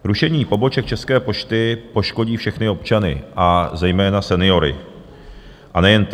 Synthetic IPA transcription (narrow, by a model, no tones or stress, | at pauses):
ɾuʃɛɲiːpo̞bo̞t͡ʃɛk̚t͡ʃɛskɛːpo̞t͡ʃt̪ɪpo̞ʃko̞ɟiːfʃɛxnɪo̞pt͡ʃanɪ̰ʔazɛjmɛːnasɛnɪo̞ɾɪ̰ | ʔanɛjɛnt̪